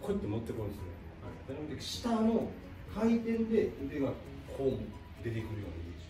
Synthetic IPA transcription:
kʰoit̪ːomot̪ːekõnesne | ha̰id̪aɾemod̪ekɕi̥t̪ano | kʰait̪ẽ̞nd̪e̞d̪eŋa | kʰoːmo | d̪e̞t̪ekɯ̟ɾɯjo̞̰ːniḭ

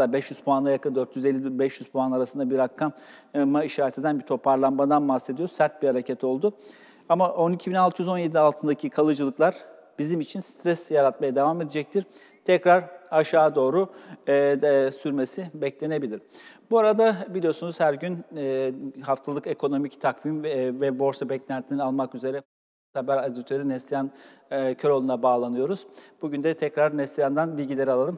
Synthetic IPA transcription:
abɛʃjyzpʰuanˠajakɯnd̪øɾt̪ʰjyze̞lʲːibɛʃjyzpʰuanaɾasɯnd̪abiɾakʰːam | maiʃaːɾet̪ʰe̞d̪ænbiɾt̪ʰo̞pʰaɾlˠanmad̪anbahsːe̞d̪ijo̞ɾsæɾt̪̚biɾhaɾecʰɛt̪ʰo̞lˠd̪ʊ | amaʔo̞nicʰibinalˠt̪ʰɯyjyzo̞nje̞d̪ialˠt̪ʰɯnd̪acʰikʰalˠɯd͡ʒɯlˠɯklˠaɾ | b̥izimit͡ʃʰinst̪ʰɾɛsjaɾat̪majad̪e̞vame̞d̪ed͡ʒɛc̚t̪ʰiɾ̥ | t̪ʰɛcɾaɾaʃaːd̪o̞ːɾʊ | syɾmesibɛclʲe̞ne̞bilʲiɾbuaɾad̪abilʲijosunuzhæɾɟyn | ɦaft̪ʰalˠɯke̞kʰo̞no̞mict̪ʰakvimvɛbo̞ɾsabɛclʲænt̪ʰinialˠmakyze̞ɾɛ | sabæɾad̪it̪ʰøɾynɛst̪ijan | cʰø̞ɾo̞lˠunabaːlˠanɯjo̞ɾuz̥buɟynd̪ɛt̪ʰɛcɾaɾnɛst̪ijand̪anbilʲɟilʲe̞ɾalˠalˠɯm

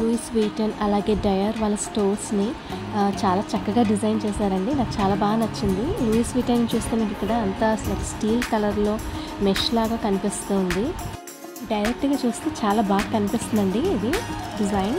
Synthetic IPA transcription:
luiːsʋiːʈɐnɐlaːɡe̞ːɖɐjɐɾʋaːlːɐsʈoːɾsnit͡ʃaːlaːt͡ʃɐkːɐɡaːɖizɐjnt͡ʃɛːsaːɾɐɳɖinaːkut͡ʃaːlaːbaːɡɐnɐt͡ʃːind̪iluːiːsʋiːʈɐnnit͡ʃuːst̪eːmiːk̬ikːɐɽaːɐnt̪aslɐsʈiːlkɐlɐɾlo̞ːmeʃlaːɡaːkɐnipist̪oːnd̪i | ɖɐjɾek̚ʈɡaːt͡ʃuːst̪eːt͡ʃaːlaːbaːɡɐkɐnipist̪und̪ɐɳɖiid̪iɖizɐjn

